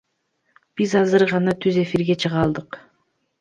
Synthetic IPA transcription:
b̥izɑzɯɾʁɑnɑt̪ʰyze̞fiɾɡe̞t͡ʃʰɯʁɑlˠd̪ɯq

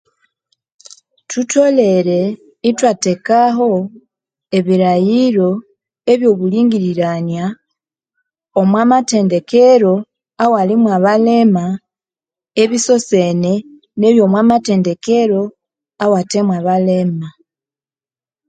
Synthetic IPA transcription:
tʰutʰo̞le̞ɾe̞ | itwate̞kaɦo̞ | eβiɾajiɾo̞ | e̞βjo̞βuliːŋɡiɾiɾanja | omwamate̞ːnde̞keɾo̞ | awalimwaβale̞ma | e̞βiso̞se̞ne̞ | ne̞βjo̞ːmwamate̞ːnde̞keɾo̞ | awate̞mwaβale̞ma

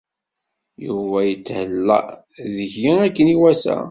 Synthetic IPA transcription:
juvæjət͡sːhəlːə̰ʔ | ðəçjiækːəniwæsæ̰

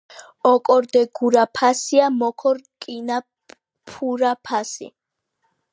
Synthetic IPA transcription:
ɔkʼɔɾd̪ɛɡuɾapʰasiamɔkʰɔɾkʼina | pʰuɾapʰasḭ

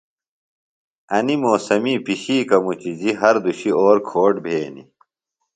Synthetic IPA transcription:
ɐnimoːsɐmiːpiɕiːkɐmut͡ɕid͡ʑiɦɐɾd̪uɕioːɾkʰoːʈbʱeːnḭ

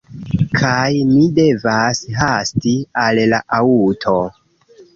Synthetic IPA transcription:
kʰajmide̞vasɦastialla̰ʔautʰo

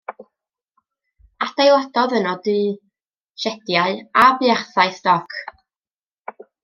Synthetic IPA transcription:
ad̥ajwˠɔd̥ɔðənɔdi | ʃɛd̥jaɨabjarθaɨstɔkʰ

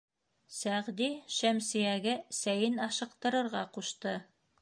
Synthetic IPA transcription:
sæʁd̪iʃæmsijæɡɘsæjɘnɑʃɤ̆q̚t̪ɤ̆ɾɤ̆ɾʁɑquʃt̪ɤ

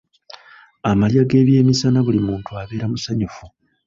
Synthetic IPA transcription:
amaljaɡe̞ːβje̞ːmisanaβulimuːntuaβe̞ːɾamusaɲufu

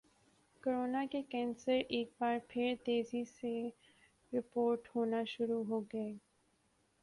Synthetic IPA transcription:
koːɾoːnakekɛ̃ːnsəɾeːk̚baːɾpʰɪɾt̪eːzise | ɾɪpoːɾʈhoːnaʃʊɾuɦoɡɐeː

